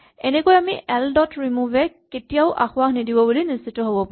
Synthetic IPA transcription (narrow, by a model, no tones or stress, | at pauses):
ɛnekojamiʔɛldɔtɹimuvɛketijaʊʔa̰xʊaxnidibɔbulinisːitɔɦobɔpã